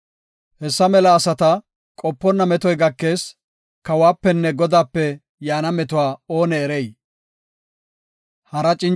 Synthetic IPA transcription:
hɛsːɐmɛlɐːsɐt̪ɐ | kʼɔpːɔnːɐmɛt̪ɔjɡɐkːe̞ːs | kɐwaːpːɛnːɛɡɔd̪aːpːɛ | jaːnɐmɛt̪ʊwaːo̞ːnɛːɾɛj | hɐɾɐt͡ʃʼɪn

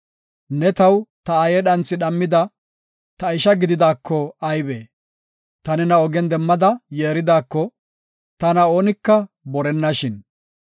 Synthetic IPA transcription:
nɛt̪ɐwt̪ɐɐjɛɗɐnt͡sːɪɗɐmːɪd̪ɐ | t̪ɐɪʃɐɡɪd̪ɪd̪aːkːɔɐjbeː | t̪ɐnɪnɐɔɡɛnd̪ɛmːɐd̪ɐjeːɾɪd̪aːkːɔ | t̪ɐnɐo̞ːnɪkːɐ | bɔɾɛnːɐʃɪn

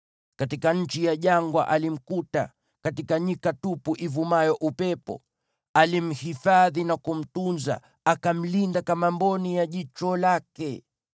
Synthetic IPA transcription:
katikaɲ̩t͡ʃijaʄaŋɡwa̰ʔalim̩kuta̰ | katikaɲikatupuʔivumajɔʔupɛpɔ̰ | alim̩hifaðinakum̩tunza̰ | akam̩lindakamambɔnijaʄit͡ʃɔlakɛ

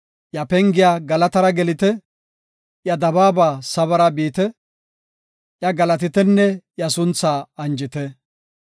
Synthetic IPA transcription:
jɐpɛŋɡɪjaːɡɐlɐt̪ɐɾɐɡɛlɪt̪ɛ | jɐd̪ɐbaːbaːsɐβɐɾɐbiːt̪ɛ | ʔjɐɡɐlɐt̪ɪt̪ɛnːɛjɐsʊnt͡sːaːɐnd͡ʒɪt̪ɛ

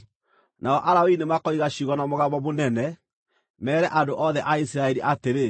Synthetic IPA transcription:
naɔʔaɾaoinemakɔiɣaɕiɣɔnamoɣaβbɔmonɛnɛ | mɛːɾɛʔadoʔɔðɛʔaisiɾaɛɾiʔateɾe

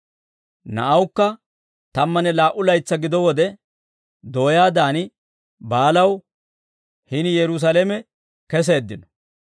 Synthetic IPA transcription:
nɐ̰ʔɐwkːɐ | t̪ɐmːɐnɛlaːʔʊlɐjt͡sːɐɡɪd̪ɔwɔd̪ɛ | d̪o̞ːjaːd̪aːnɪ | baːlɐw | hɪnjɛɾʊs̬alɛmɛ | kɛs̬e̞ːd̪ːɪnɔ

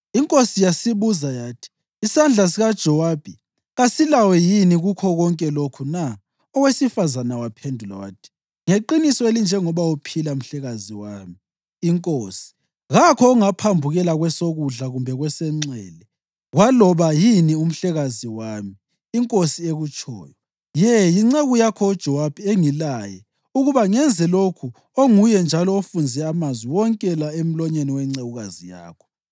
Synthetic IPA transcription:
iŋkʼosijasiβuzajaːtʰi̥ː | sand͡ɮʱas̬iɣad̥ʒ̥ʱɔwab̥ʱi | ɣasilawɛjiniɣukʰɔɣɔŋkʼɛlokʰuna | ɔwesifazanawapʰendʱula̰wa̰ːtʰi̥ | ŋeǃinisɔelind͡ʒʱɛŋɔβaupʰilam̩ɬɛɣaziwaːmiː | ŋkʼoːsi̥ | ɣakʰɔuŋapʰambʱuɣɛlaɣwɛsoɣuɮaɣumbʱɛɣwɛsɛŋ͡ǀɛːlɛ | ɣwalɔβajinium̩ɬɛɣaziwamiː | ŋkʼosieɣut͡ʃʼɔ̰ːjɔ | jɛjiŋ͡ǀeɣujakʰɔod̥ʒ̥ʱɔwab̥ʱieŋilajɛ | uɣuβaŋɛnd͡zʱɛlokʰu | oŋujɛnd͡ʒʱalɔofund͡zʱɛamazwiwɔŋkʼɛlaem̩lɔɲeniwɛŋ͡ǀeɣuɣazija̰ːkʰɔ̥

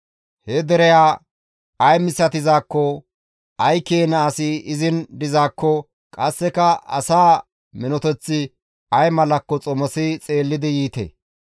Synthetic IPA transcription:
hɛd̪ɛɾɛjaː | ɐjmɪsːɐt̪ɪzaːkːɔ | ʔɐjkeːnɐːsɪɪzɪnd̪ɪzaːkːɔ | kʼɐsːɛkɐɐ̰saː | mɪnɔt̪ɛt͡sːɪ | ɐjmɐlɐkːɔt͡sʼɔmɔsɪt͡sʼe̞ːlːɪd̪ɪjiːt̪ḛː

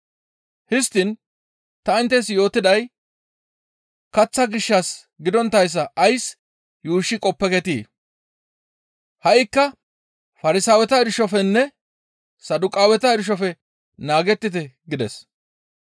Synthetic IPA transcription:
hɪst̪ɪn | t̪ɐɪnt̪ːɛsjo̞ːt̪ɪd̪ɐj | kɐt͡sːɐɡɪʃːɐs | ɡɪd̪ɔnt̪ːɐjs̬ːɐʔɐjs | juːʃːɪkʼɔpːɛkɛt̪iː | hɐʔɪkːɐ | fɐɾɪsaːwɛt̪ɐɪdʃɔfɛnːɛ | sɐd̪ʊkʼaːwɛt̪ɐɪdɪʃ̬ɔfɛ | naːɡɛt̪ːɪt̪ɛɡɪd̪ɛs

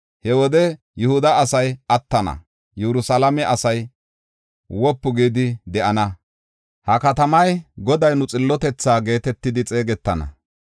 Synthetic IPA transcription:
hɛwɔd̪ɛ | jʊhʊd̪ɐɐsɐjɐt̪ːɐnɐ̰ | jɛɾʊsalɐmɛʔɐsɐj | wɔpːʊɡiːd̪ɪd̪ɛʔɐnɐ | hɐkɐt̪ɐmɐjɡɔd̪ɐjnʊt͡sʼɪlːɔt̪ɛt͡sːaːɡe̞ːt̪ɛt̪ːɪd̪ɪt͡sʼe̞ːɡɛt̪ːɐnɐ̰

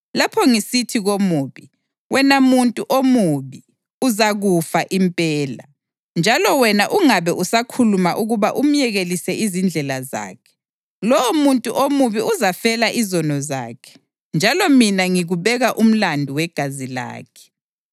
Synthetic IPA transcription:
lapʰɔŋisitʰiɣomuːβi | wʔɛnamuntʼuʔomuβi | uzaɣufaʔimpʼɛːla | nd͡ʒʱalɔwɛnaʔuŋaβɛʔusakʰulumaʔuɣuβaʔum̩jɛɣelisɛʔizind͡ɮʱɛlaza̰ːkʰɛ̥ | lɔwɔmuntʼuʔomuβiuzafɛlaʔizɔnɔza̰ːkʰɛ̥ | nd͡ʒʱalɔminaŋiɣuβɛɣaʔum̩landʱuwɛɡ̥ʱazila̰ːkʰɛ̥

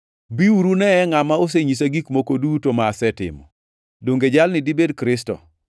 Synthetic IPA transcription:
biuɾunɛɛŋamaos̬eɲis̬aɡikmokodutomaːsɛtɪ̰mɔ̰ | doŋɡed͡ʒalnɪdibedkɾɪstɔ̰

